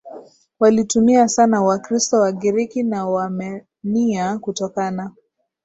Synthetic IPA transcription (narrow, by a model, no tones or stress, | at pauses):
walitumiasanawakɾistɔwaɡiɾikinawamɛ | niakutɔkana